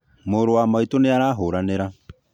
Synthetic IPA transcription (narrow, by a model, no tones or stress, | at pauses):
moːɾowamaitoneaɾaːɦoːɾaneɾa